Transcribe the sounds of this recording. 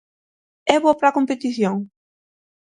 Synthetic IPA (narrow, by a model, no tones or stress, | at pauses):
ɛβoɐpɾakõmpet̪iθjoŋ